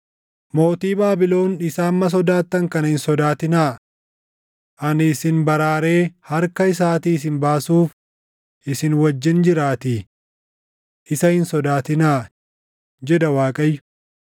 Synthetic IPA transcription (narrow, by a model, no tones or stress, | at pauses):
mo̞ːt̪iːbaːbɪlo̞ːnɪsaːmːɐs̬ɔd̪aːt̪ːɐŋkɐnɐhɪnsɔd̪aːt̪ɪnaː | ʔɐnɪːsɪnbɐɾaːɾe̞ːhɐɾkɐɪs̬aːt̪iːs̬ɪnbaːsuːf | ʔɪsɪnwɐd͡ʒːɪnd͡ʒɪɾaːt̪i | ʔɪsɐhɪnsɔd̪aːt̪ɪnaː | d͡ʒɛd̪ɐwaːkʼɐjːʊ̥